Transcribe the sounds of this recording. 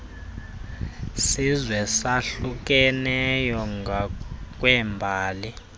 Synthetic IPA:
sizwɛsaɬuk̬ʼɛnɛjɔŋɡak̬ʼwɛmbʱaːli

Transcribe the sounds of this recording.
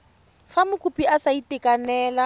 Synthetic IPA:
famʊkʼupʼiasaitʼɪkʼanɛːla

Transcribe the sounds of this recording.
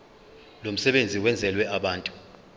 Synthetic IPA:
lom̩sɛɓend͡zʱiwɛnd͡zʱɛlwɛaɓaːntʼu̥

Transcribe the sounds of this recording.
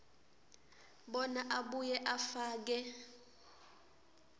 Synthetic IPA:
ɓɔnaʔaɓujɛʔafaːk̬ɛ

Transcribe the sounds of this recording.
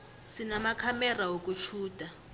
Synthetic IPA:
sinamakʰamɛrawok̬ʼut͡ʃʰuːd̥ʱʼa

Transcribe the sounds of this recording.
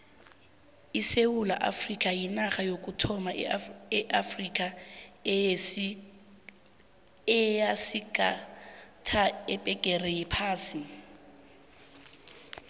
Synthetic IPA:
isewula̰ʔa̰frikʼajinaχajokʼutʰɔmaɛʔafrikʼa | ɛjasika | tʰaɛpʼɛkʼɛrɛjɛpʰaːsi

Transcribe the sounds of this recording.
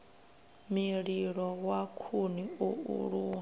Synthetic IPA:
miɺiɺɔwakʰuniuṵɺuːŋa

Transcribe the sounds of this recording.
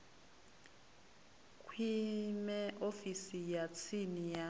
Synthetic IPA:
kʼʰwimɛʔofisijat͡sʰinija

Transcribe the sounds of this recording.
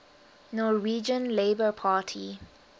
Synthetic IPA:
nɔwiːd͡ʒə̃nleɪbəpʰaːtʰḭ

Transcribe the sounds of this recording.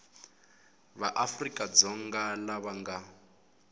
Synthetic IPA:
βaʔafrikʼad͡zɔŋɡalaβaŋɡa

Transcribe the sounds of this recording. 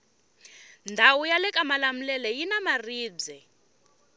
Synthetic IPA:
ndʱawujalɛkʼamalam̩lɛlɛjinamariːb͡ʐɛ

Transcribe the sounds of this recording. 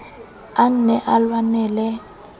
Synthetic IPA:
an̩nɛʔalwanɛːlɛ

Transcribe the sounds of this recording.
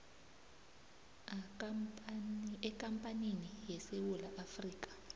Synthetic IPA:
ɛkʼampʼaninijɛsewulaʔafriːk̬ʼḁ

